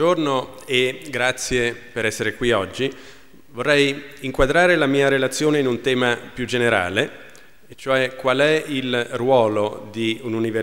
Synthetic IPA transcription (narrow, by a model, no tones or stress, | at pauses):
ornoeɡɾat̪sːjepeɾɛsːeɾekwiɔd͡ʒːi | vorːɛjiŋkwad̪ɾaːɾelamiːaɾelat̪sːjoːneinunt̪ɛːmapjud͡ʒeneɾa̰ːle | t͡ʃoɛkwalɛilrwɔːlod̪iununive